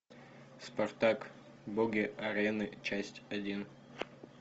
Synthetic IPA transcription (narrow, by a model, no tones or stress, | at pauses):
spɐrt̪ak | boɡʲɪɐɾʲenɨt͡ɕæsʲtʲɐdʲin